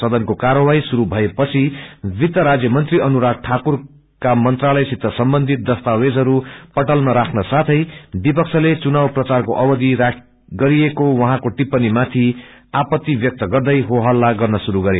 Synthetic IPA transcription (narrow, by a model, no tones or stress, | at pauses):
sʌd̪ʌnkokaɾʌwajsuɾubʱʌepʌt͡sʰibit̪ːʌɾad͡zjʌmʌnt̪riʌnuɾak̚ʈʰakur | kamʌnt̪ralʌjsit̪ːʌsʌmbʌnd̪ʱit̪̚d̪ʌst̪awed͡zɦʌɾupʌʈʌlmʌɾakʰnʌsat̪ʰʌjbipʌk̚t͡sʰʌlet͡sunawprʌt͡sarkoʔʌbʌd̪iɾak | ɡʌɾiekowʌɦãkoʈipːʌnimat̪ʰiapʌt̪ːibjʌk̚t̪ʌɡʌrd̪ʌjɦoɦʌlːaɡʌrnʌsuɾuɡʌɾe